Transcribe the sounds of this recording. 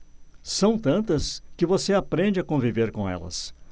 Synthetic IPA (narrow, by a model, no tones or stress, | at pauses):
sɐ̃w̃t̪ɐ̃nt̪ɐskɪvoseapɾẽd͡ʒɪakõviveɾkõɛ̰lɐ̰s